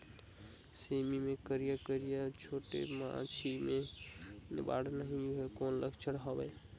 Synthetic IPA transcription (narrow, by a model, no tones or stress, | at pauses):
semimekəɾijakəɾijat͡ʃʰoʈḛmã̰t͡ʃʰime | nɪ̰ba̰ɽnəɦiɦkonləkt͡ʃʰəɽɦəbəɪ